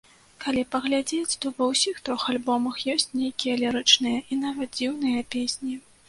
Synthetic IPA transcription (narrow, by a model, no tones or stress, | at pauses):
kalʲipɐɣlʲad͡zʲet͡sʲt̪ɔvɐwsʲixt̪ɾɔxalʲbɔmɐxjɔsʲt͡sʲnʲejkʲijɐlʲɛɾɨt͡ʂnɨjɐʔin̪avɐt̪̚d͡zʲiwnɨjɐpʲesʲnʲi